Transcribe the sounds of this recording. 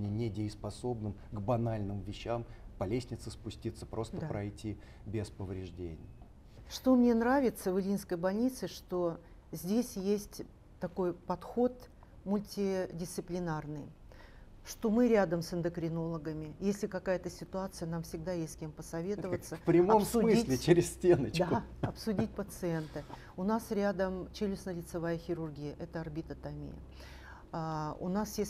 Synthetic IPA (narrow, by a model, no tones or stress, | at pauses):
nʲɪnʲɪdʲɪɪspɐso̞bnɨmɡbɐnalʲnɨmvʲɪɕːampɐlʲesʲnʲɪt̪səspʊsʲtʲit̪sə̥pɾʔo̞std̪əppɾɐjtʲi | bʲɪspəvɾʲɪʐdʲḛnʲɪ̰j | ʂt̪o̞mnʲe̞nɾavʲɪt̪səvɨlʲinskəjbɐlʲnʲit̪sɨʂt̪o̞ | zʲdʲesʲjesʲtʲ | t̪ɐko̞jpɐt̪xo̞t̪ | mʊlʲtʲɪdʲɪst̪ɨplʲɪnarnɨj | ʂt̪o̞mɨɾʲad̪əmsɨnd̪əkɾʲɪno̞lˠəɡəmʲɪjesʲlʲɪkɐkajət̪əsʲɪt̪ʊat̪sɨjənamfsʲɪɡ̚d̪ajesʲt̪ʲsʲkʲempəsɐvʲe̞t̪ɨvət̪sːəpɾʲɪmaopmsʊmʲɨislʲɪt͡ɕɪɾʲɪsʲsʲtʲenət͡ɕdkd̪aɐpsʊdʲitʲpət̪sɨent̪ɨ | ʊnasɾʲad̪əmt͡ɕelʲɪsnəlʲɪt̪sɨvajəxʲɪɾʊrɡʲijəʔɛt̪əɐrbʲit̪ət̪ɐmʲḭjə̰ | ʊ̰nasjesʲ